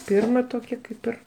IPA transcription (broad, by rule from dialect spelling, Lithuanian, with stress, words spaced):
ˈpʲɪrmɐ ˈtoːkʲɛ ˈkɐɪp ɪr